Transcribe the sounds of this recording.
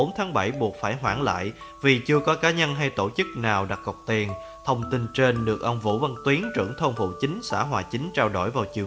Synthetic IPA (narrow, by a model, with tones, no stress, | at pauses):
o˨˦nt̪ʰaː˨˦ŋɓə˧˩jɓu˨˩ət̚faː˧˩jɦwaː˧˩ŋla̰ː˧˨j | vi˨˩t͡ɕɨ˧əkɔ˨˦kaː˨˦ɲə˧nɦa˧jt̪o˧˩t͡ɕɨ˦˥k̚naː˨˩wɗa˨˩t̚kɔ˨˩wk͡p̚t̪i˨˩ən | t̪ʰə˧wŋ͡mt̪i˧nt͡ɕe˧nɗɨ˨˩ək̚ʔə˧wŋ͡mvṵ˧˥va˧ŋt̪wi˨˦ənt͡ɕɨ̰˧˩əŋt̪ʰə˧wŋ͡mfṵ˧˨t͡ɕï˨˦ŋ̟sa̰ː˧˥ɦwaː˨˩t͡ɕï˨˦ŋ̟t͡ɕaː˧wɗo˧˩jvaː˨˩wt͡ɕi˨˩ə